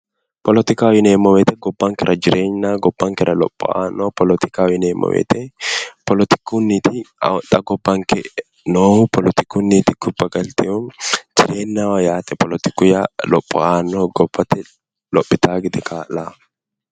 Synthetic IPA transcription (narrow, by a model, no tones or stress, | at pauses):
pɔlɔt̪ɪkaɪneːmːɔwɛt̪ɛɡɔbːɐŋkɪɾʔɐd͡ʒɪɾeːɲnaːɡɔbːɐŋkɪɾɐlɔ̰pʼːɔ̰ʔaːnːoːpɔlɔt̪ɪ̥kawɪneːmːɔ̰wɛ̰t̪ɛpɔlɔt̪ɪ̥kːunːit̪ɪ̰t̪ʼɐɡɔbːɐŋkɛ | noːhʊpɔlɔt̪ɪkːunːiːt̪ɪɡ̥ʊbːɐɡɐlt̪ɛʔud͡ʒɪɾeːnːawɐjaːt̪ɛpɔlɔt̪ɪkːʊjalɔpʼːɔ̰aːnːoːɡɔb̥ːɐt̪ɛ | lɔpʼːɪt̪aːɡɪd̪ɛkʰaːlaː